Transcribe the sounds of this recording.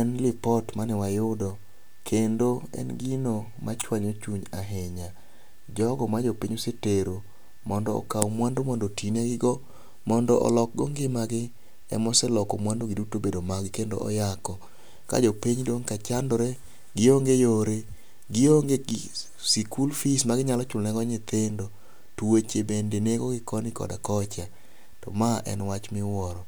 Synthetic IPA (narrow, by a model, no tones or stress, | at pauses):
ɛnlɪpɔtmanɛwajʊdɔ | kʰendoɛ̰nɡino | mʔa̰t͡ʃwaɲot͡ʃuɲaɦeɲa | d͡ʒɔɡɔmad͡ʒɔpiɲoseteɾo | mɔndɔɔ̰kawmwandomɔndɔtineɡɪɡɔ | mɔndɔʔɔ̰lɔk̚ɡɔŋɡɪmaɡɪ | ɛ̰mɔsɛlɔkɔmwandoɡɪdutobedomaɡɪkendo̰ʔɔ̰jakɔ | ka̰d͡ʒɔpiɲdoŋkat͡ʃandɔɾɛ | ɡɪoŋɡejoɾe | ɡɪoŋɡe | sikulfismaɡɪɲalɔt͡ʃʊlnɛɡɔɲet̪endo | tuwet͡ʃebendeneɡoɡɪkɔnɪkɔ̰da̰kɔt͡ʃa | tɔ̰maʔɛ̰nwat͡ʃmɪwɔɾɔ